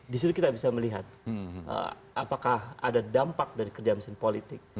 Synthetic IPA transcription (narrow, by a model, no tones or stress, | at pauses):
dis̬it̪ukit̪abisaməliɦat̪̚ʔə̰ | apakaha̰dadampak̚daɾikərd͡ʒaməsɪnpolit̪ɪk̚